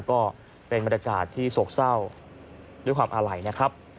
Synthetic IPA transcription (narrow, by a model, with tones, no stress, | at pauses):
kɔː˥˩ | pe˧nba˧nɾaː˧kaː˨˩t̪ʰːiː˥˩so˨˦˥k̚sa˥˩w̪ | u˥˩kwaː˧mʔaː˧ɾa˨˩jna˦˥kʰa˦˥p̚